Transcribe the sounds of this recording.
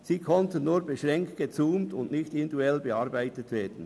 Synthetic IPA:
siːkʰɔntənnuːɾbeʃʁɛŋkt̚ɡ̥et͡suːmtʊndnɪçtɪnduɛlbeɑɾbæɪtətveːd̥ən̩

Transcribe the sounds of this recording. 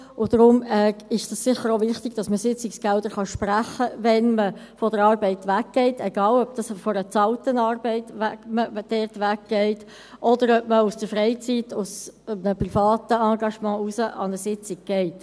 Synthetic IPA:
ʊd̥ɾʊmɛɪʃd̥ɑssɪχəɾovɪχtɪɡ̥d̥ɑsməsɪt͡sɪksɡ̥ɛldəɾχɑʃpræχəʋɛnmə | fɔdəɾɑːɾbɛɪtʋækɡ̥ɛɪteɡ̥ɑːlœb̚d̥ɑsfɔɾət͡sɑltənɑːɾbɛɪt̪ʋækməd̥ɛɾtʋækɡ̥ɛɪt | ʔɔdəɾœp̚məusd̥əɾfɾɛɪt͡sitʊsbnəpɾifɑːt̪əɑːɡɑʃmɑ̃ːusəʔɑ̰nəsɪt͡sɪɡ̚ɡ̥ɛɪt

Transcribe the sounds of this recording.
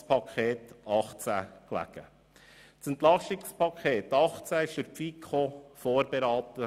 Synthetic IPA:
spʰɑkʰχeːt̪ɑχt͡sæ̰klæ̰ɡ̥ə | sɛnt̪lɑʃɪkspʰɑkʰeːt̪ɑχt͡sæɪʃd̥əɾpfikʰχofoːɾbeɾɑːt̪ə

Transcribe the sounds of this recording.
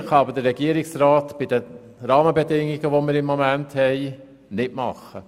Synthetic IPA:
χɑɑbədəɾɛɡ̥iəɾɪksɾɑːtb̥ɪdə | ɾɑːməbɛdɪŋːiɡəʋomɪːɾɪmːomænthɛɪ | nɪtmɑ̰χːə

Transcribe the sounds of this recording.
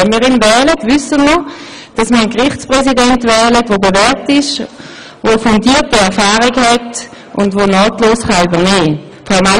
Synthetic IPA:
ɛmiːʁinvɛːlətvʏsənmə | d̥ɑsməənkʁɪχt͡spʁɛsidɛntvɛːlətʋoːdəvɛɐtɪʃ | vofundiːtiɛɐfaːʁiɡhɛt | ʔʊndvoːnɑːtloːsχɑybɐneː | fɔma

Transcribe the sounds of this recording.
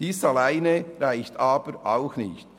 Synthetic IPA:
d̥iːsɑlaɪnəʁaɪçtɑːbəɾʔaʊxnɪçt

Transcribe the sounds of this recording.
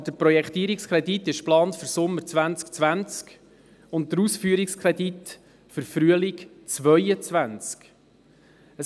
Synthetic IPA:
d̥əɾprɔjɛkχt̪iəɾikskʰɾɛditɪʃplɑːntfʏɾsʊmːəɾt͡sʋænt͡skt͡sʋænt͡sk | ʊnt̚təɾuːsfyːəɾikskʰɾɛd̪it | fəɾfɾyəlɪk | t͡svœjət͡svænt͡sk | ə

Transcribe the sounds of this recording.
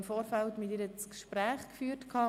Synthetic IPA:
mfoːɾfæltmɪtɪːɾət͡skʃpɾæːχkfyːərtkʰɑː

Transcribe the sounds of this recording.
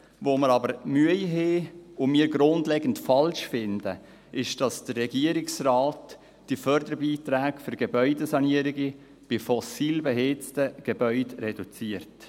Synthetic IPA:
voːməɾɑbəɾmyəjɦeːʊmiːɡɾʊndlɛɡən̩tfɑlʃfɪndə | ʔɪʃd̥ɑsd̥əːɛɡiəɾɪksrɑːt | d̥ifœɾdəɾbiːtɾæːɡføɾɡ̥ebœʏdəsɑniəɾiɡi | b̥ɪfɔsiːlbɛɦet͡stəɡ̥ɛbœʏdɾɛd̥ut͡siəɾt

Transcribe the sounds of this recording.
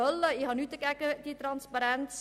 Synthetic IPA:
ələiɦɑnytəkɛkətitrɑnspaɾɛnt

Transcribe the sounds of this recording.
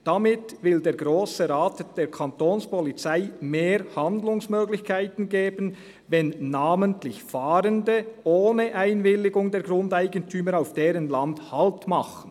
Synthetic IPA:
d̥amɪtvɪldeːɾɡɾoːsəʁaːtd̥eːkʰantoːnspɔlit͡saɪmeːɾhandlʊŋsmøːɡlɪçkʰaɪtn̩ɡeːbən̩ | vɛnːaːməntlɪçfaːɾəndəʔoːnəʔaɪnvɪlːɪɡʊŋdeːɐɡʁʊndaɪɡəntʰyːməɾaʊfd̥eːɾənlandhalptmaχən̩

